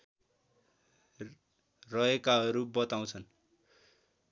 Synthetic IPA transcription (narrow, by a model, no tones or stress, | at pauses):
rʌekaɦʌɾubʌt̪aw̃t͡sʰʌn